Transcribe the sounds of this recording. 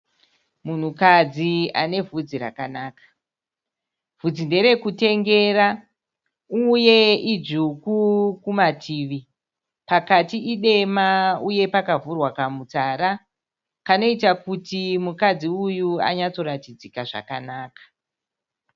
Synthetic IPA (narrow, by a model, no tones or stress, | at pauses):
mun̤ukad͡zia̰ne̞vʱud͡ziɾa̰kanaːkḁ | vud͡zinde̞ɾe̞kute̞ŋɡe̞ːɾa | uje̞id͡ʒukukumatʰiːʋi | pakatiʔiɗe̞mauje̞pakavurwakamutaɾa | kano̞itakutimukad͡ziujua̰ɲat͡so̞ɾatid͡zikaʐa̰kanaːkḁ